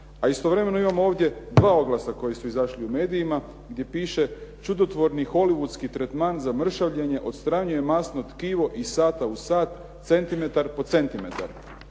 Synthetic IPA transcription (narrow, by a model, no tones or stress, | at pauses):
aist̪o̞ʋɾe̞me̞no̞imamooːʋd̪ʲje̞d̪ʋaːo̞ɡlˠasako̞jesuizaʃliume̞ːd̪ijima | ɡd̪ʲje̞piːʃe̞t͡ʃud̪o̞t̪ʋo̞ɾnixo̞liʋud̪skit̪ɾet̪maːnzamr̩ʃaʋʎe̞ɲe̞ʔo̞d̪st̪ɾaːɲuje̞masnot̪kiʋo̞ʔisaːt̪ausaːt̪ | t̪se̞nt̪ime̞t̪aɾpo̞t̪se̞nt̪ime̞t̪a̰ɾ